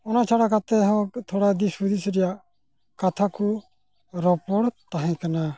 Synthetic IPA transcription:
ɔnat͡ʃʰaɽakat̪ɛɦɔ̃t̪ʰɔɽad̪isud̪isɾɛja | kat̪ʰaku | ɾɔpɔɽt̪aɦɛ̃kana

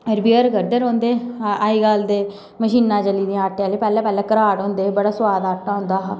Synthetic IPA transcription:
əɾbiəɾɡəɾd̪əɾõːnd̪eːaːiːɡaːld̪eː | məʃiːnːãːt͡ʃəliːd̪ijãːaːʈːjãːleːpɛːlɛ̃ːpɛːlɛ̃ːkəɾaːɽõːnd̪eːbəɽaːsʊʋaːd̪aːʈːaːɦʊ̃nd̪aːɦ

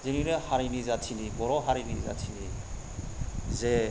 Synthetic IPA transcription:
zeniɾɛhaɾinizatʰinibɔɾɔɦaɾiniza̰tʰini | zɛ

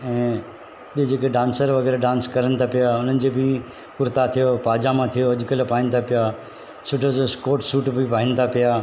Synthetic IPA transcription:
ɛ̃ː | ɓid͡ʑeːkeɖãːnsəɾʋɐɡɛːɾeɖãːnskɐɾənt̪ʰapɪjaʊn̤ənɪ̆d͡ʑebʱi | kʊɾt̪at̪ʰijopaːd͡ʒamãt̪ʰijoɐʄʊkəlpaːɪ̃nɪ̆t̪ʰapɪja | sʊʈʰososkoːʈsuːʈbʱipaːɦɪnɪt̪ʰapɪjaː

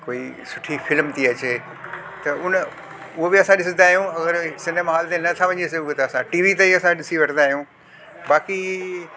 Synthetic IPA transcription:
koːisʊʈʰifʰɪlmt̪iɐt͡ɕeː | t̪ɐʊn | ʊɦobɪɐsãɗɪsə̃nd̪aːɦijũɐɣəɾsɪ̃nd̪əmãɦaːlt̪enɐt̪ʰaʋɐ̃ɲeseʊket̪ɐɐsãʈiːʋit̪ɐiɐsãɗɪsiʋɐʈənd̪aːɦijũ | ɓaːki

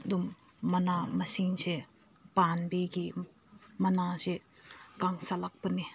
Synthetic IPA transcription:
d̪umː | ɐnamɐsiŋse | panbiɡi | mɐnasekaŋsalak̚pɐni

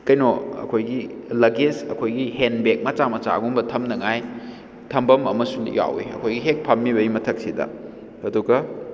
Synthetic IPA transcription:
kɐjnoɐ̰kʰojɡilɐɡesɐ̰kʰojɡihenbek̚mɐt͡ʃamɐt͡ʃa̰ɡumbɐtʰɐmnɐŋaj | tʰɐmbɐmɐmɐsulḭja̰wḭɐ̰kʰojɡiɦek̚pʰɐmːiβɐimɐtʰɐk̚sidɐ̰ | ɐduɡɐ

